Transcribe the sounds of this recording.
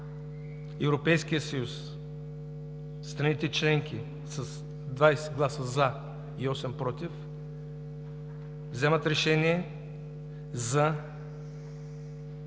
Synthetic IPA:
ɛvɾopɛjskʲijəsɐjus | t̪ɾɐnit̪ɛt͡ʃlɛŋk̟i | sɐs | d̪vajsɛd̪ɡlˠasəza | iɔsɛmpɾɔt̪if | vzɛmət̪ɾɛʃɛniɛ | zɐ

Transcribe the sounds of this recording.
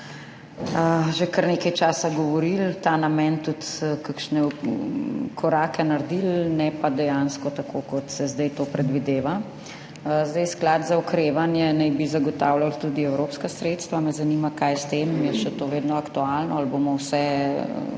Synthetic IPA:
əʒekəɾneːkɐjt͡ʃaːsaɡɔʋɔɾilt̪anamɛnt̪ut̪kakʃnɛ | kʰɔɾaːkɛnaɾd̪ilnɛpad̪ɛjanskɔt̪akʰokɔt̪sɛzd̪ɛjt̪oːpɾɛd̪ʋid̪eːʋa | zd̪ɛjsklad̪zaɔkɾeʋanjɛnajbizaɡɔt̪awlalt̪ud̪iɛwɾopskasɾet̪st̪ʋamɛzanimakajst̪emjɛʃɛt̪oʋeːd̪nɔɐkt̪ualnɔalbomɔwsɛ̰

